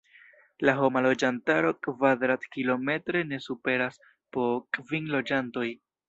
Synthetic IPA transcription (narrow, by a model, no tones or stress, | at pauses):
laɦo̞malo̞d͡ʒantaɾo̞kvadɾatkilo̞me̞tɾe̞ne̞supe̞ɾas | po̞kʼvinlo̞d͡ʒanto̞j